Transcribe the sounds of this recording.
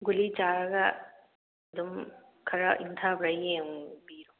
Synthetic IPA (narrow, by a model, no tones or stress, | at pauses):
ɡulit͡ʃaɾɐɡaː | d̪um | kʰɐɾaʔiŋt̪ʰabɾajjeŋbiɾo